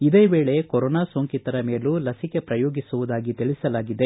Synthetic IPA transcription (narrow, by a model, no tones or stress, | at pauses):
id̪e̞ːʋeːɭe̞koɾoːnaːsoːŋkit̪ɐɾɐme̞ːlulɐsike̞pɾɐjoːɡisuʋud̪aːɡit̪iɭisɐlaːɡid̪e̞